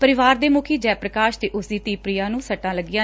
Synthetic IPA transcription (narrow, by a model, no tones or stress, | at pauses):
pəɾɪʋaːɾd̪eːmʊkʰiːd͡ʒɛːpɾəkaːʃt̪eːʔʊsd̪iːt̪iːpɾɪjaːnũːsəʈːãːləɡɪjãː